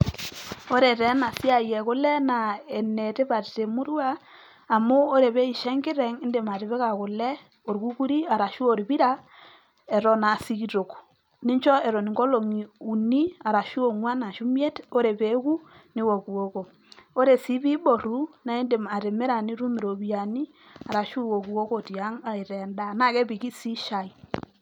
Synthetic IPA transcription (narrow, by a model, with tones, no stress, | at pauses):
o˦ɾɛ˨tɛ˨˦na˨si˦a˨jɛ˨kʊ˦lɛ˦na˨ɛ˨ne˨te˦pa˨ɾte˨mu˦ɾwaː˦˨ | mo˦o˦ɾe˨βe˦i˨ʃɛ˦ŋɡɪ˦ɾɛ˨ŋɪ˦nde˨ma˨ɾe˨βe˦ka˨kʊ˨lɛ˦ | o˨ɾku˦ku˦ɾi˦a˨ɾa˨ʃu˦o˨ɾbi˦ɾa˦ | ɛ˨ɾɔ˨na˨si˦ki˨ɾo˨k | ni˦nt͡ʃɔ˦ɛ˨ɾɔ˨ni˨ŋɡɔ˦lo˨ŋi˨u˨ni˦a˨ɾa˨ʃu˦o˨ŋwa˦na˨ʃu˦mje˦to˦ɾe˨pe˨˦ku˦ni˦wo˨ku˨o˦ko˨ | o˦ɾe˨si˦pi˦bo˨ɾu˦na˦i˦nde˨ma˨ɾe˨me˦ɾa˨ni˦ɾu˦mi˨ɾo˨bi˦a˨ni˦ | a˨ɾa˨ʃu˦˨wo˨ku˨o˦ko˦˨ti˨a˦ŋa˨i˨ɾɛ˨nda˦˨na˦kɛ˦pi˨ki˦si˦ʃa˨i˨